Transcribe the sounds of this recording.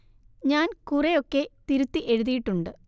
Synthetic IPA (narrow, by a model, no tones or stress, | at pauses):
ɲaːnkurejo̞kːe̞t̪iɾut̪ːiʔe̞ɻuðijiʈːuɳɖɨ